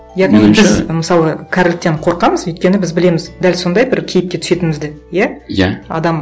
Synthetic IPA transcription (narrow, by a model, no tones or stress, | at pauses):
jɑʁnibɪzməsɑlˠəkʲʰæɾlɪk̚t̪ːeɴqʰo̞ɾqɑməzɵjt̪̚kʲe̞nɪbɪzbɪle̞mɪzd̪ælso̞nd̪ɑjbɪɾkʲʰe̞jɪp̚kʲe̞t̪ʰʏ̥se̞t̪ɪnmɪzd̪ɪjæjaɑ̰d̪ɑm